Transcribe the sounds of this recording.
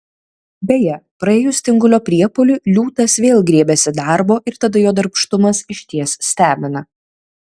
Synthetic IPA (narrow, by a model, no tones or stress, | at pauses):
bʲɛjɛpɾɐeːjʊsʲt̪ʲɪŋɡʊlʲoːpʲɾʲiɛpolʲʊlʲuːt̪ɐsʋʲeːlˠɡɾʲiɛbʲɛsʲɪd̪ɑɾboːʔɪɾt̪ɐd̪ɐjoːd̪ɐɾpʃt̪ʊmɐsɪʃʲt̪ʲiɛssʲt̪ʲæːmʲɪnɐ